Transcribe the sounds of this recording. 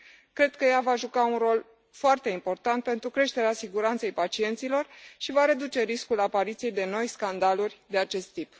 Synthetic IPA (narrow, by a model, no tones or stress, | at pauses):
kɾe̞d̪̚kəjavaʒukaunro̞l | foart̪e̞impo̞rt̪ant̪̚pe̞nt̪ɾukɾe̞ʃt̪e̞ɾeasiɡuɾant̪sejpat͡ʃie̞nt̪silo̞rʃivaɾe̞d̪ut͡ʃe̞ɾiskulapaɾit̪sije̞jd̪e̞no̞jskand̪alurʲd̪e̞at͡ʃe̞st̪ːip